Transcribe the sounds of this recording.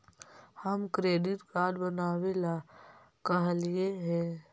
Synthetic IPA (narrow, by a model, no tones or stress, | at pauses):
həmkɾeːɖɪʈkaːɖbənaːʋela | kəɦlieɦɛ̃ː